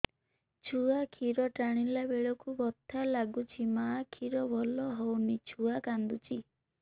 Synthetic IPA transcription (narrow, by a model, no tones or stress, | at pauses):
t͡ʃʰuakʰiɾɔʈaɽ̃ilabeɭɔkubɔt̪ʰːalaɡut͡ʃʰimaːkʰiɾɔbʱɔlɔɦɔwnit͡ʃʰuakand̪ut͡ʃʰi